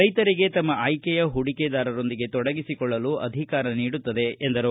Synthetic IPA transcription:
ɐjt̪ɐɾiɡe̞t̪ɐmːɐaːjkɛjɐɦuɽikɛd̪aːɾɐɾo̞nd̪iɡe̞t̪ɔɽɐɡisikɔɭːɐluʔɐd̪ʱikaːɾɐniːɽut̪ːɐd̪e̞ːnd̪ɐɾu

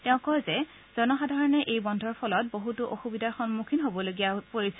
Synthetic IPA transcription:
tɛʊ̃kɔjzɛ | z̥ɔnɔxadʱaɹɔnɛʔejbɔndʱɔɹpʰɔlɔt̚boɦutuʔoxubidʱaxɔnmukʰinɦobɔloɡijapoɹisɛ

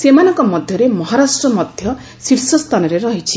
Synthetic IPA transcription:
semanɔŋkɔmɔd̪ʱjɔɾemɔɦaɾasʈɾɔmɔd̪ʱjɔ | siɾsɔst̪ʰanɔɾeɾɔɦit͡ʃʰi

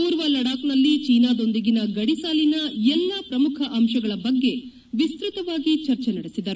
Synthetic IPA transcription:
puːɾʋɐlɐɽaːknɐlːit͡ʃiːnaːd̪o̞nd̪iɡinɐɡɐɽisaːlinɐɛlːɐpɾɐmukʰɐʔɐmʃɐɡɐɭɐbɐɡːe̞ | ʋist̪ɾut̪ɐʋaːɡit͡ʃɐɾt͡ʃenɐɽisid̪ɐɾu

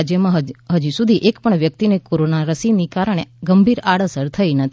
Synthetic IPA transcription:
d͡ʒjəmãɦɦəd͡ʒusud̪ʱiʔekpəɳʋjək̚t̪inekoɾonaɾəsinikaɾəɳ̃eɡəmbʱiɾaɽəsəɾt̪ʰəinət̪ʰ

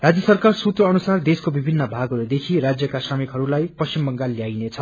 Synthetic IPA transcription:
rad͡zjʌsʌrkarsut̪rʌːnusard̪eskobibʱinːʌbʱaɡʌɾud̪ekʰirad͡zjʌkasamikɦʌɾulajpʌst͡ɕimbʌŋɡalːjajnet͡sʰʌ

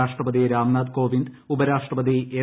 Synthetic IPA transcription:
aːʂʈrɐpɐðiɾaːmnaːd̪ko̞ːʋind̪ | ubɐɾaːʂʈrɐpɐd̪ieː

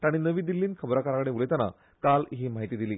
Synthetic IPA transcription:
t̪aɽ̃inəʋiːd̪ilːiːnkʰəbɾakaɾakəɽẽulet̪ana̰ | kalɦiːmaɦit̪iːd̪iliː

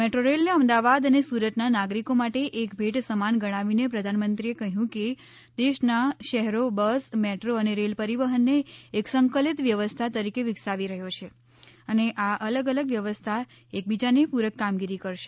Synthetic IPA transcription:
meʈɾoɾelneəmd̪aʋad̪ənesuɾət̪nanaɡɾikomaʈeʔekbʱeʈsəmanɡəɽ̃aʋinepɾəd̪ʱanmənt̪ɾiekəɦjũke | d̪eʃnaʃəɦɾobəsmɛʈɾoəneɾelpəɾiʋəɦənːeːksəŋkəlit̪ʋjəʋəst̪ʰat̪əɾikeʋɪksaʋiɾəɦjot͡ʃʰe | əneʔaʔələɡələɡʋjəʋəst̪ʰa | ek̚bid͡ʒanepuɾəkːamɡiɾikəɾʃe̥

